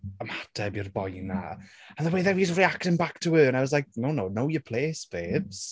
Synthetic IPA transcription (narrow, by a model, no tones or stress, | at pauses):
əmatʰɛbərbɔjnaəðəweːðɛvizriaktənbaktʰəwəːnavɔszlajk̚nownownowjəpʰl̥eːsb̥eːbs